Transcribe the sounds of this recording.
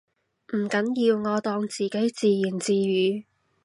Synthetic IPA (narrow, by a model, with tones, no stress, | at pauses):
m̩˨˩kɐ˨˥njiː˧wŋɔː˨˧t̪ɔː˧ŋt͡siː˨˩ke˨˥jt͡siː˨˧jiː˨˩nt͡siː˧jyː˨˧